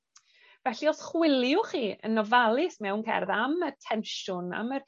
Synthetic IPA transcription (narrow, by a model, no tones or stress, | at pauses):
vɛɬiɔsχwɪlˠjʊχiːə̰nːɔvalˠɪsmɛwnkʰɛ̰rðamətʰɛnʃʊna̰mə